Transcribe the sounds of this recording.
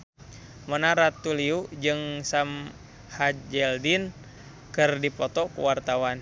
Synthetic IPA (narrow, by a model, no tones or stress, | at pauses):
mɔnaɾat̪uliud͡ʒɨŋsam | had͡ʒɛldin | kɨrdipɔt̪ɔkṵwart̪awan